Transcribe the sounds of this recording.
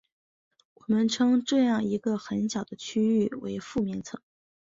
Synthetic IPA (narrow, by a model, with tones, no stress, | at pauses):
wɔ˨˩mə˦nʈ͡ʂʰɤ˥ŋʈ͡ʂɤ˥˧jɑ˥˩ŋi˧˥ɡə˧xə˧˥nɕjɑ˨˩ʊd̪̥ə˦t͡ɕʰy˥y˥˩wḛ˧˥ɪfu˥˩mi˧˥ŋt͡sʰɤ˧˥ŋ